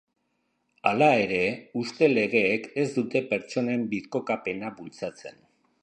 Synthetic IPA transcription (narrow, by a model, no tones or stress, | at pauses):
alae̞ɾe̞ust̪e̞le̞ɣe̞ːke̞zd̪ut̪e̞pe̞ɾt͡ʃo̞ne̞mbiðko̞kape̞naβult͡sat͡se̞̰n